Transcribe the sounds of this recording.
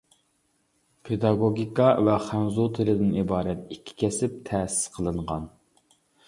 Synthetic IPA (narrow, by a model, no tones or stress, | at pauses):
pʰed̪ɑɡoɡʲikɑvɛχænzut̪ʰɪlɪd̪ɪnibɑːɾɛt̪̚ikʲʰːi̥kʲɛsɪp̚t̪ʰɛːsɪ̥sqʰəlˠɨɴʁɑn